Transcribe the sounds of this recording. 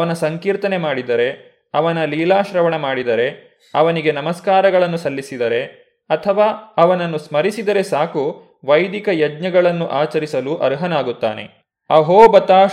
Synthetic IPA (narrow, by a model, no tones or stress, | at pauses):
ɐʋɐnɐsɐŋkiːɾt̪ɐne̞maːɽid̪ɐɾe̞ | ɐʋɐnɐliːlaːʃɾɐʋɐɳɐmaːɽid̪ɐɾe̞ | ɐʋɐniɡe̞nɐmɐskaːɾɐɡɐɭɐnːusɐlːisid̪ɐɾe̞ | ɐt̪ʰɐʋaːɐʋɐnɐnːusmɐɾisid̪ɐɾe̞saːku | ʋɐjd̪ikɐjɐdɲɐɡɐɭɐnːuʔaːt͡ʃɐɾisɐluːʔɐ̰ɾɦɐnaːɡut̪ːa̰ːne̞̰ | ɐɦoːbɐt̪aː